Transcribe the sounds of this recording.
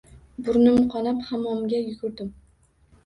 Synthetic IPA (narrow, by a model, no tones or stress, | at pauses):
bʊɾnɪmqʰɒnaphamɒmɡʲajʊɡʊɾd̪ɪm